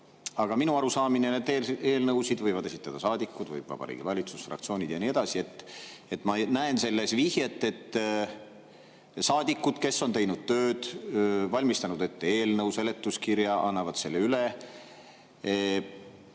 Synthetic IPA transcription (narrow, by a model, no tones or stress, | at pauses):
ɑɡ̥ɑminuɑɾusɑːminened̪eːe̞ːlnɤwsid̪vɤjvɑd̪e̞si̥t̪ːˑɑd̪̥ɑsɑːd̪ikːˑud̪vɤ̰jb̥vɑ̰b̥ɑ̰ɾḭːɡ̥ivɑlʲit̪susfrɑ̰k̚t̪sio̞ːnʲid̪̥jɑnie̞d̪̥ɑsie̞t̪ːe̞t̪ːˑmɑnæense̞lːe̞svihjet̪ːe̞t̪ː | sɑːd̪ikːˑud̪̥ke̞sːo̞nt̪e̞jnud̪̥̚t̪ø̞ːd̪̥vɑlʲmist̪ɑnud̪̥e̞t̪ːeeːlnɤwselet̪ːuskiɾjɑʔɑ̰nːɑvɑd̪̥se̞lːeyle